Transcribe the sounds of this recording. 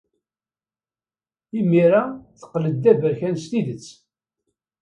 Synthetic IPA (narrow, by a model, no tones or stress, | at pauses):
imːiɾaθə̥qːləd̪ːævəɾçænst̪iðət͡sː